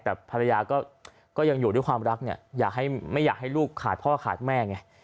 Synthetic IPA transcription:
t̪ɛː˨˩pʰa˧ɾa˧jaː˧kɔː˥˩ | kɔː˥˩ja˧ŋjuː˨˩du˥˩˨jkʰwaː˧mɾa˦˥k̚ni˥˩ɐjaː˨˩k̚ɦa˥˩jma˥˩jaː˨˩k̚ha˥˩jluː˥˩kʰːaː˨˩t̪̚ʰɔ˥wa˥˩kʰaː˨˩t̪̚mɛː˥˩ŋa˧˩

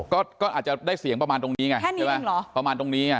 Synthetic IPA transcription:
kɔː˥˩kɔː˥˩ʔaː˨˩t̪̚t͡ɕa˨˩daː˥˩jsi˨˩˦əŋpɾa˧maː˧nt̪o˧ŋniː˦˥ŋa˧˩˥na˥˩ma˦˥˩lɔ˨˦pɾa˧maː˧nt̪o˧ŋniː˦˥ŋa˧˩

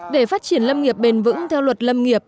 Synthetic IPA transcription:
ɗe˧˩faː˦˥t̚t͡ɕi˧˩ənlə˧mŋi˨˩əp̚ɓe˨˩nvɨ̰˧˥ŋt̪ʰɛ˧wlwə˨˩t̚lə˧mŋi˨˩əp̚

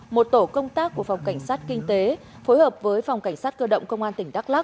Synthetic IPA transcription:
mo˨˩t̚t̪o˧˩kə˧wŋ͡mt̪aː˦˥k̚ːu˧˩əfa˨˩wŋ͡mka˧˩jŋ̟saː˦˥t̚kï˧ŋ̟t̪e˨˦ | foː˨˦jhəː˨˩p̚vəː˨˦jfa˨˩wŋ͡mka˧˩jŋ̟saː˦˥t̚kəː˧ɗə̰˧˨wŋ͡mkə˧wŋ͡mʔaː˧nt̪ï˧˩ŋ̟ɗa˦˥k̚la˦˥k̚

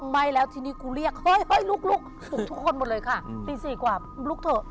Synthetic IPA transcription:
ma˧˥jlɛː˦˥wt̪ʰiː˧niː˦˥˩kuː˧ɾi˥˩ək̚hɔ˥˩jhɔ˥˩jlu˦˥˩k̚lu˦˥˩k̚ | pʰu˨˩t̪ʰu˦˥kʰːo˧nmo˨˩lɤː˧jkʰa˥˩piː˨˩siː˨˩kwaː˨˩ | lu˦˥˩k̚t̪ʰɤː˨˩

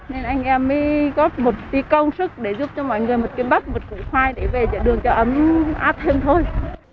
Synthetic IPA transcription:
ne˧nʔa˧jŋ̟ʔɛ˧mːə˨˦jɣɔ˦˥t̚mo˨˩t̚t̪i˨˦kə˧wŋ͡msɨ˦˥k̚ɗe˧˩zu˦˥p̚t͡ɕɔ˧mɔ̰˧˨jŋɨ˨˩əjmo˨˩t̚ki˨˦ɓa˦˥t̚mo˨˩t̚kṵ˧˨xwaː˧jɗe˧˩ve˨˩t͡ɕə̰˧˩ɗɨ˨˩əŋt͡ɕɔ˧ʔə˨˦mʔaː˦˥t̚t̪ʰe˧mt̪ʰo˧j

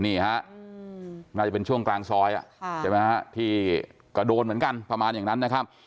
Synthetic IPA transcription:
niː˥˩ha˦˥ʔ | naː˥˩t͡ɕa˨˩pe˧nt͡ɕʰu˥˩əŋklaː˧ŋsɔː˦˥jʔa̰˨˩ʔt͡ɕʰa˧˩ma˦˥jɦa˦˥t̪ʰiː˥˩ | kɔ˥˩doː˧nmɯ˩˦ə˦nka˧npɾa˧maː˧njaː˨˩ŋna˦˥nːa˦˥kʰa˦˥p̚

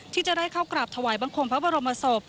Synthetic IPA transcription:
t̪ʰiː˥˩t͡ɕa˨˩da˥˩jkʰaː˥˩wkɾaː˨˩p̚t̪ʰa˧waː˩˦jbaː˧ŋkʰo˧ŋpʰa˦˥bɔː˧ɾo˧ma˧so˨˩p̚

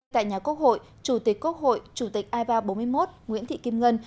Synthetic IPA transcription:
t̪a̰ː˧˨jɲaː˨˩ku˦˥ək̚ho̰˧˨j | t͡ɕu˧˩t̪ï˨˩k̚kːu˦˥ək̚ho̰˧˨jt͡ɕu˧˩t̪i˨˩k̟̚ʔaː˧vaː˧ɓo˨˦nmɨ˧əjmo˦˥t̚ŋwḭ˧˥ənt̪ʰḭ˧˨ki˧mŋə˧n

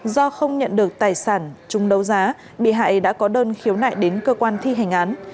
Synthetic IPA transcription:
zɔ˧xə˧wŋ͡mɲə̰˧˨nɗɨ˨˩ək̚t̪aː˨˩jsaː˧˩nt͡ɕʊ˨˦ŋ͡mɗə˨˦wzaː˨˦ | ɓḭ˧˨ɦa̰ː˧˨jɗa̰ː˧˥kɔ˨˦ɗəː˧nxi˨˦əwna̰ː˧˨jɗe˨˦nkəː˧kwaː˧nt̪ʰi˧ɦa˨˩jŋ̟ʔaː˨˦n

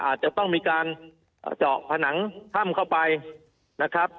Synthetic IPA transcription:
ʔa̰ː˨˩t̪̚t͡ɕa˨˩t̪ɔ˥˩ŋmiː˧kaː˧n | ʔːt͡ɕɔ̰ː˨˩k̚pʰa˧na˩˦ŋt̪ʰa˥˩mkʰa˥˩wpa˧j | na˦˥kʰɾa˦˥p̚

